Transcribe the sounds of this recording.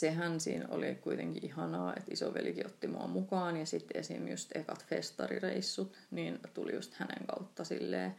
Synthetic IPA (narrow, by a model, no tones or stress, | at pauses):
seɦænsiːnolikuit̪ẽŋkiʔihɑnɑːet̪isoʋelkiot̪ːimoɑmukɑːnjɑsit̪ːeesiːmjust̪ekɑt̪fest̪ɑrireisːut̪ | niːnt̪ulijust̪hænḛŋkɑut̪ːɑsilːeː